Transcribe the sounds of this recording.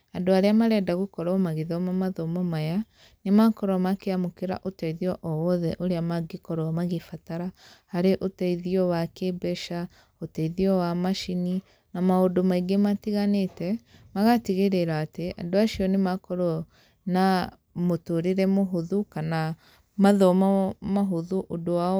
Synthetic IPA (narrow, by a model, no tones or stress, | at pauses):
adoaɾeamaɾɛdaɣukɔɾɔmaɣiðɔmamaðomɔmaja | nemakɔɾɔmakeamokeɾa̰ʔotɛiðiɔʔɔwɔðɛʔoɾeamaɡikɔɾɔamaɣifataɾahaɾeʔotɛiðiɔwakebɛʃa | otɛiðiɔwamaʃini | namaodomaiɡematiɣanetɛ | maɣatiɣeɾeɾaːtea̰doaʃiɔnemakɔɾɔ | na | motoɾeɾɛmoɦuðukana | maðɔmamaɦoðuʔodoa